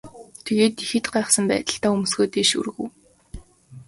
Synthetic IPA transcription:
t̪ʰeɣeːt̪ixɘ̆t̪ɢæːχsə̆mpæ̰ːt̪ə̆ɬt̪aːum̆sɣoːt̪eːʃṵrɣŭw

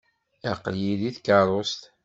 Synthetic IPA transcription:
æqːljiðiθkɑɾˤost̪

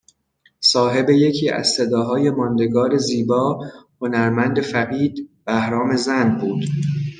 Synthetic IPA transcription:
sɒːɦe̞be̞je̞cʰiːæ̰z̥se̞d̪ɒːɦɒːje̞mɒːnd̪e̞ɡɒːɾe̞ziːbɒːho̞næɾmænd̪e̞fæɣiːd̪bæhɾɒːme̞zænbuːd̪̥

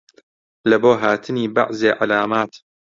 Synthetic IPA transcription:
lɐboːɦaːt̪ʰɨniːba̰ʕzeːʕalaːmaːt̪

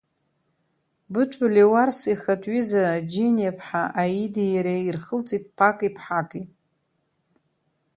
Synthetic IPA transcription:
bɨtʷʰʼʊliwarsiχatʼɥizad͡ʒenʲepʰħaʔajidijaɾeirχəlt͡sʼit̚ʼpʰakʼipʰħakʼi

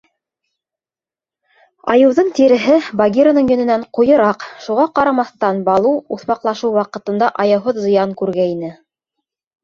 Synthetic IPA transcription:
ɑ̰jɤ̆wðɤɴt̪iɾɘ̆ɦɘbɐɡʲiɾonɤɴjɵ̆nɘ̆næɴqujɤ̆ɾɑqʃuʁɑqɑɾɑmɑθt̪ɑnbɑlˠuuθmɑqlˠɑʃɤwwɑqɤ̆t̪ɤ̆nd̪ɑʔɑjɤ̆wɦoðzɤ̆jɑŋkʉɾɡæinɘ

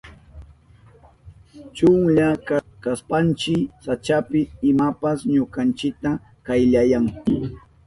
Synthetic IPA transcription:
t͡ʃʊŋʎakkaspant͡ʃɪsat͡ʃapɪɪmapasɲokant͡ʃɪk̚t̪a | kajʎajaŋ

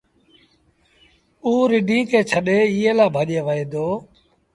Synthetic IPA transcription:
uːɾɪɖʱĩːkeːt͡ʃʰəɗeːɪːeːlaːbʱaːʄeːʋəẽːd̪oː

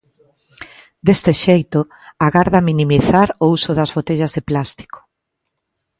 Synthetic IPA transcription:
d̪est̪ɪʃejt̪ʊ | aɣaɾðɐminimiθaɾousʊðɐzβot̪eʎɐzðeplast̪i̥ko̥

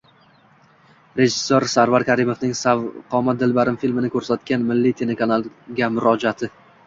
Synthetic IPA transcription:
ɾe̞ʒɪsːoɾsaɾvaɾkʲʰaɾɪmovnɪŋsavqʰɒmad̪ɪlbaɾɪmfilmɪnɪkʰʲɵɾsat̪kʲanmɪlːit̪ʰe̞le̞kʰanalˠɡʲamʊɾɒd͡ʒat̪ʰɪ

